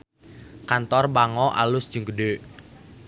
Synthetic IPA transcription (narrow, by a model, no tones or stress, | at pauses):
kant̪ɔrɓaŋɔʔa̰lʊsd̥d͡ʒ̥əŋɡəɖeʔ